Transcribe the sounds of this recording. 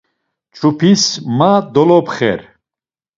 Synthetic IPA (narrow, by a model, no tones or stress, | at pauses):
t͡ʃʼʰupʰismad̪ɔlɔpχɛ̰ɾ